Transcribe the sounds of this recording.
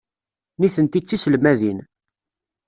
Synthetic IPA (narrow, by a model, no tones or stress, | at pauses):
niθənt̪it͡sːisəlmæðin